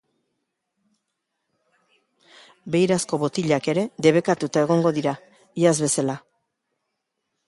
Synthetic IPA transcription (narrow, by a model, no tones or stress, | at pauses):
be̞jɾasko̞βo̞t̪iʎake̞ɾe̞ðe̞β̞e̞kat̪ut̪ae̞ɣ̞o̞ŋɡo̞ðiɾa | iazβe̞sala